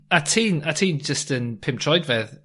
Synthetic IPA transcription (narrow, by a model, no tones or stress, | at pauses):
atʰiːnatʰiːnd͡ʒəstənpʰɪ̃mtʰrɔjdvɛð